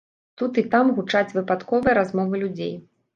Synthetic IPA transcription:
t̪ut̪it̪amɣut͡ʂat͡sʲvɨpat̪kɔvɨjɛɾazmɔvɨlʲud͡zʲḛj

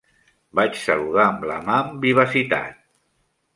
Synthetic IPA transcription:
bat͡ʃsəluðaəmləmaəmbiβ̞əsit̪a̰t̪̚

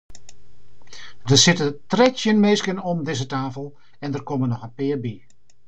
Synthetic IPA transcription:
dəsɪtətrɛtjənmɪːskənɔmdɪzətaːfəlˠ | ɛndərkɔmənɔχəpɪːrbi

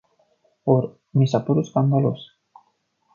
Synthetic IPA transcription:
poɾ | misapuɾuskand̪alos

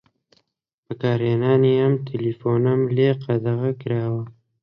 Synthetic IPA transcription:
pəkɑːɾenɑːneamt̪ʰilifonamleqad̪aɣakɾɑːwa

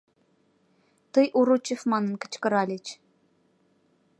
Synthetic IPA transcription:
t̪əjʔuɾut͡ɕefmɑnə̆nkə̥̆t͡ɕkə̆ɾɑlʲet͡ɕ

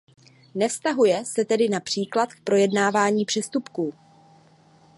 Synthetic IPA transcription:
nɛfst̪aɦujɛsɛt̪ɛdɪnapr̝̥iːklat̪k̚pɾo̞jɛdnaːvaːɲiːpr̥ɛst̪upkuː

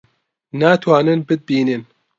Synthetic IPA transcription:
naːt̪ʰwaːnɨnbɨd̪̚biːnɨn

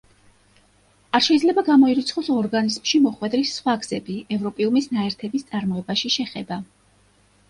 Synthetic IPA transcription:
aɾʃɛid̪zlɛbaɡamɔiɾit̪sʰχɔsɔɾɡanizmʃimɔχwɛd̪ɾisːχwaɡz̥ɛbiɛvɾɔpʼiumisnaɛɾt̪ʰɛbist̪sʼaɾmɔɛbaʃiʃɛχɛba

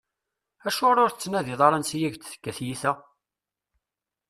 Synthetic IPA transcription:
æʃʊɾʊɾθət͡sːnæðiðˤɑɾˤɑnsijæʝt͡sθə̥kːæθjiθæ

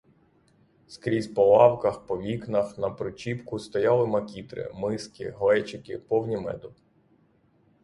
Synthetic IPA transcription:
skɾʲizʲpɔlˠɑwkɐxpɔʋʲiknɐxnɐpɾʊt͡ʃʲipkʊst̪ɔjɑlˠɪmɐkʲit̪ɾɪ̰mɪskʲɪ̰ɦlɛt͡ʃɪkʲɪpɔwnʲimɛ̰d̪ʊ

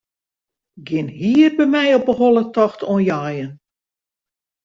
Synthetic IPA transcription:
ɡɪnhiərbɛmɛjopəholˠətɔxtʰonjaːjən

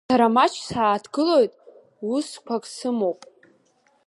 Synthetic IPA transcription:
sʰaɾamat͡ʃʷʰsaːtʰɡɨlo̞jtʼ | uskʷʰakʼsɨmowpʼ

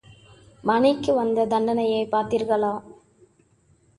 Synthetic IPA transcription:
mɐnɪkːɯʋɐnd̪ɐd̪ɐɳɖɐnɐjɐɪpaːɾt̪iːɾɣɐɭaː

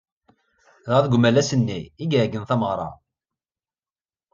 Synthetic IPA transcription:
ðəðɡʷmælæsənːiiɡʕɡənθæməʁɾˤɑ̰

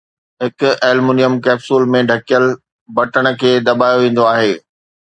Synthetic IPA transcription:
ɦɪkʊɛːlmuːnijəmkɛːbsuːlmẽɖʱɐkijəl | bɐʈəɽ̃̆kʰeːd̪ɐbaːjoʋẽːn̆d̪oaːɦeː

